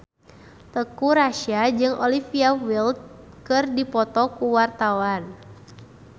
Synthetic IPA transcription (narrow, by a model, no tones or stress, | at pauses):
t̪əkuɾaʃiad͡ʒɨŋʔolifiawild̚ | kɨrdipɔt̪ɔkuwart̪awan